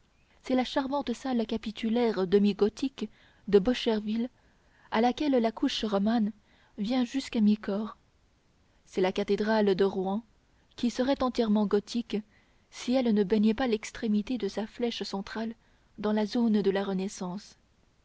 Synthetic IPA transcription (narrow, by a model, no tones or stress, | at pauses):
sɛlaʃaʁmɑ̃t̪salkapit̪ʰylɛʁd̪əmiɡɔt̪ik | d̪əbɔʃɛʁvil | alakʲɛlːakʰuʃʁɔman | vjɛ̃ʒyskamikɔːʁ | sɛlakat̪ed̪ʁald̪əʁwɑ̃ | kʲisəʁɛt̪ɑ̃t̪jɛʁmɑ̃ɡɔt̪ʰik | siɛlnəbɛɲɛpalɛkst̪χemit̪ed̪əsaflɛʃsɑ̃t̪χal | d̪ɑ̃lazond̪əlaʁənɛsɑ̃s